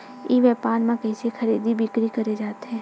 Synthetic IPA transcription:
iːʋɛːpaːnmãkɐɪsexʰɐɾiːd̪ibʱɪkɾikɐɾed͡ʒaːt̪eɦɛ̃ː

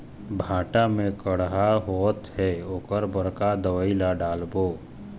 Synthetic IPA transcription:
bʱãːʈamẽkəɽɦaɦoːt̪ɦɛokəɾbəɾkad̪əʋəilaɖaːlboː

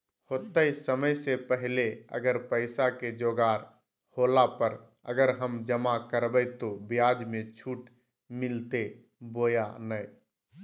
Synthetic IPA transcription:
hot̪əsəməjsepəɦleə̰ɡəɾpəɪsaked͡ʒoːɡaːɾ | holapəɾ | ə̰ɡəɾɦəmd͡ʒəmakəɾbəjt̪obijad͡ʒmẽt͡ʃʰuːʈ | mɪlt̪e | boːjanəɪ

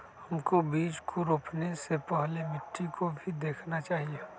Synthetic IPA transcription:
hɐmkobiːd͡ʒkʰʊɾopʰnesepɛɦlemɪʈːikʰobʱid̪eːkʰnat͡ʃaːɦie

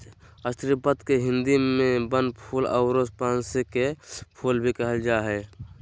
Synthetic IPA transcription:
əst̪ɾipət̪keɦɪ̃nd̪imẽbənpʰuːlɔʊɾoːspãːnsekepʰuːlbʱikəɦəld͡ʒaːɦɛː

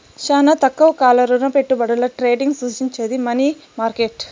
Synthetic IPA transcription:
ʃaːnɐt̪ɐkːɐʋɐkaːlɐɾunɐpeʈːubɐɽɐlɐʈɾeːɖiŋɡsuːt͡ʃiɲt͡ʃeːd̪imɐnimaːɾkeʈ

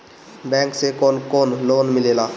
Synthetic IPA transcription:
bɛ̃ːŋksekɔːnkoːnloːnmɪleːlaː

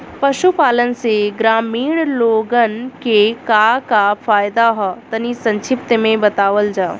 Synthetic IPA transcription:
pɐʃupaːlənɪ̆seɡɾaːmiːɽ̃loːɡən̆kekakafaːjd̪aɦɔt̪ɐnisɐ̃ɲt͡ʃʰɪp̚t̪mẽbɐt̪aːʋəld͡ʒaː

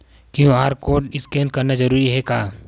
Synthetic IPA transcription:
kjũːaːɾkoːʈɪskɛːnkɐɾnazɐɾuːɾiɦɛkaː

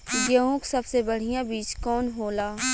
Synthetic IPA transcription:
jeõksɐbsebɐɽ̤ijãbiːt͡ʃkɔːnɦoːlaː

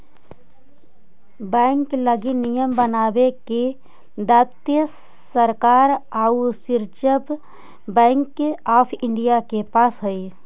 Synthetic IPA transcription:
bɛ̃ŋkləɡinijəmbənaːbeke | d̪aːt̪jə | səɾkaːɾausɪɾt͡ʃəb | bɛ̃ːŋkaːpʰɪ̃ɳɖijakepaːsɦəi

